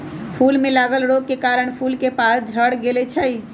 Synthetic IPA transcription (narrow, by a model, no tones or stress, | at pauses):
pʰuːlmẽlaːɡəlɾoːɡ̚kekaːɾəɳ̃pʰuːlkepaːsd͡ʒʱəɽɡeːlet͡ʃʰəi